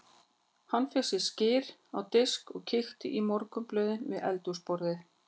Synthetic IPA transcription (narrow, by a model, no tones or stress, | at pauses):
hanːfɪsɪscɪːɾawt̪ɪskɔɣcʰɪxt̪ɪʔimɔɾkʏmplœːðɪnvɪðɛ̰lt̪uspɔɾðɪ